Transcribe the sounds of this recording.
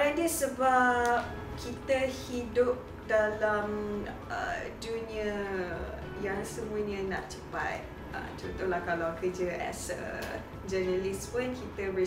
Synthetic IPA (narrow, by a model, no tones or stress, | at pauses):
andiəsəbap̚ | kʰit̪əhidʊp̚ | dalam | ə̰d͡ʒuniə | jaŋsəmũəɲə̃nã̰ʔt͡ʃəpa̰t̪̚ | ə̰t͡ʃunt̪ulahkalawkəd͡ʒəʔa̰sə̰ | d͡ʒənaliswənkit̪əbə